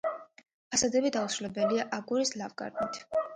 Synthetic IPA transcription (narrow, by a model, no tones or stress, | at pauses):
asad̪ɛbid̪ausɾulɛbɛliaʔaɡuɾislavɡʼa̰ɾmit̪ʰ